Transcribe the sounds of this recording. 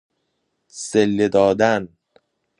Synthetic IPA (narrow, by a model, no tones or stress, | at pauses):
selːed̪ɒːd̪æn